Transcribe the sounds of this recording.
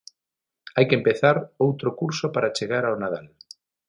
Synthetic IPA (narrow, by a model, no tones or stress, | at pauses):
ajkempeθaɾowt̪ɾokuɾsopaɾat͡ʃeɣaɾawnað̞al